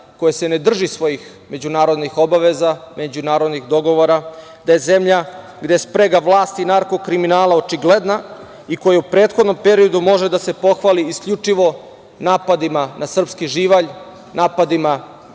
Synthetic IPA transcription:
ko̞jesene̞d̪r̩ʒisʋo̞jix | me̞d͡ʑunaːɾo̞d̪nixo̞baʋe̞zame̞d͡ʑunaːɾo̞d̪nixd̪o̞ɡo̞ʋoɾa | d̪aje̞ze̞mʎa | ɡd̪espɾeɡaʋlˠaːst̪inaɾko̞kɾiminaːlˠao̞t͡ʃiɡled̪na | iko̞jaupɾeːt̪xo̞d̪no̞mpe̞ɾio̞d̪umo̞ʒed̪ase̞po̞xʋaliːskʎʲut͡ʂiʋo̞ | naːpad̪imanasr̩pskiʒiːʋaʎ | naːpad̪ima

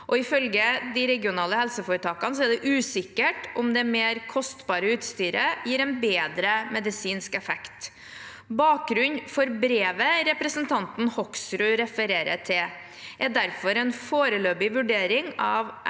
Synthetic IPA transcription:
ʔɔɪfœlɡəd̪ɪɾɛɡɪʊnɑːləhɛlsəfoːɾət̪ʰɑːkɑns̬ɔɛɖ̪ɛʔʉːsɪkːəʈʔɔmd̪ɛmeːɾkʰɔst̪bɑːɾəʉːt̪st̪yːɾəjiːɾɛnbeːd̪ɾəmɛd̪ɪsiːnskɛfɛkt̪ | bɑːk̚ɡɾʉnfɔɾbɾeːʋəɾɛpɾəsənt̪ʰɑnt̪n̩hɔksɾʉɾɛfəɾeːɾə̰ʈʰɪ | ɛd̪æɾfɔɾɛnfoːɾəløːbɪʋʉɖeːɾɪŋɑʋ

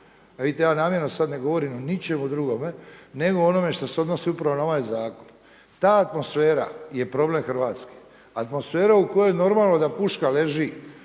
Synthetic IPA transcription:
aʋidit̪e̞jaːnaːmjeɾnosad̪ne̞ɡo̞ʋo̞ɾimonit͡ʃe̞mud̪ɾuɡo̞me̞ne̞ɡo̞ono̞me̞ʃt̪oseo̞d̪nosiupɾaʋo̞nao̞ʋajzaːko̞̥n | t̪aːt̪mo̞sfeːɾa̰je̞pɾo̞ble̞mxɾ̩ʋaːt̪ske̥ | at̪mo̞sfe̞ːɾaukojojeno̞ɾmaːlˠno̞d̪apuʃkale̞ʒi

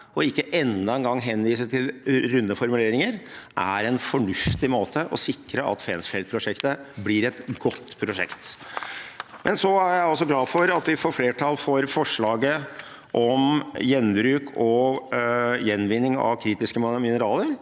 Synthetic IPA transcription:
ɔɪkːəʔɛnːɑɛnɡɑŋːɦɛnːʋiːsət̪ʰɪlɾʉnːəfɔɾmʉleːɾɪŋəɾʔæ̰ɾɛnfɔɳʉft̪ɪmoːt̪ʰəʔɔ̰sɪkːɾəʔɑ̰t̪fɛnsfɛlt̪̚pʰɾʊʂɛkt̪əblɪɾɛt̪ɡɔt̪ːpʰɾʊʂɛ̰kt̪ | mʔɛnsɔæɾjæɪɔs̬ɔɡlɑːfɔɾɑt̪ʋɪfɔɾfleːʈʰɑːlfɔɾfɔʂɭɑːɡə | ʔɔmjɛnbɾʉːkʰɔ | jɛnːʋɪnːɪŋɑ̰ʋkʰɾiːt̪ɪskəmmɪnəɾɑːləɾ

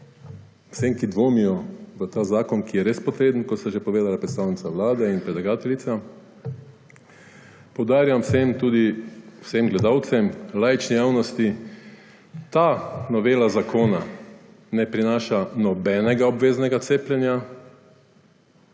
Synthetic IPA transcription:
wseŋkid̪ʋoːmijɔzət̪aːzaːkɔnkijɛɾeːspɔt̪ɾeːd̪ənkɔt̪st̪aʒepɔʋeːd̪alapɾɛt̪st̪aːwnit̪sawlaːd̪ɛinpɾɛdlaɡaːt̪ɛlit̪sa | pɔwd̪aːɾjamwsemt̪uːd̪iw̥semɡlɛd̪aːwt̪sɛmlajt͡ʃnijaːwnɔst̪i | t̪aːnɔʋeːlazakʰoːna | nɛpɾinaːʃanɔbɛnɛɡaɔbʋeːznɛɡat̪seːplʲjɛnja

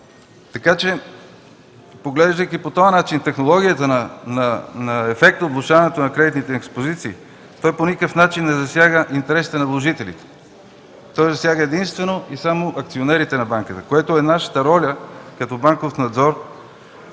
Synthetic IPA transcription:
t̪ɐkat͡ʃɛ | poɡlɛʒd̪əjkipot̪oɐnat͡ʃint̪ɛxnolˠɔɡʲijət̪ənnɐnɐɛfɛk̚t̪ot̪vlˠʊʃavɐnɛt̪onɐkɾɛd̪it̪nit̪ɛːkspozit̪siː | t̪ɔjponikəfnat͡ʃinːɛzɐsjaɡəʔint̪ɛɾɛsi̥t̪ɛnɐvlˠoʒit̪ɛlḭt̪ɛ̥ | t̪ɔjzɐsjaɡəɛd̪inst̪vɛnoisamoʔɐkt̪sionɛɾit̪ɛnɐbaŋkət̪əkoɛt̪oɛnaʃə̥t̪əɾɔlʲəkɐt̪ɔbaŋkofnɐd̪zɔɾ

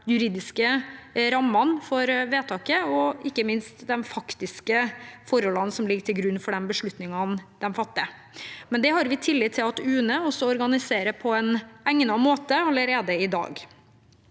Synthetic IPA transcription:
jʉɾiːd̪ɪskəɾɑmːɑnfɔɾʋeːt̪ʰɑːkəɔɪkːəmɪnst̪d̪ɛnfɑkt̪ɪskəfɔɾɔlɑnsɔmlɪɡəʈʰɪlɡɾʉnːfɔɖɛnbəʂɭʉt̪nɪŋɑnd̪̥ɛnfɑt̪ːɪə | mɛnd̪ɛhɑɾʋɪt̪ʰɪlːɪːt̪ʰːɪlɑt̪ʉːnəɔsɔɔɾɡɑnɪseːɾəpʰɔɛnæŋnɑmoːt̪əɑlːəɾeːd̪əɪd̪ɑ̰ːɡ

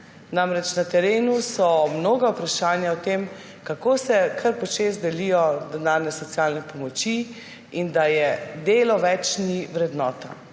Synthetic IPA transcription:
namɾɛt͡ʃnat̪ɛɾeːnusɔmnoːɡawpɾaʃaːnjaɔt̪em | kakoːsɛkʰɐɾpɔt͡ʃezd̪ɛlijɔd̪ɛnaːɾnɛsɔt̪sijaːlnɛpɔmɔt͡ʃi | ind̪ajɛd̪eːlɔʋɛt͡ʃniʋɾɛd̪nɔːt̪a

